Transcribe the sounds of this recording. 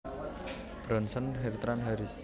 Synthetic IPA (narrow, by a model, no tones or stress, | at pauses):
b̥ɾɔnsənɦert̪ɾanɦaɾis